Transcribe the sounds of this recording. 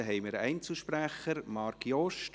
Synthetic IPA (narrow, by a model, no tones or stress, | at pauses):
ɦɛɪməɾɛ̰ɪnt͡sl̩ˠʃpræχəɾmɑːɾkiɔʃt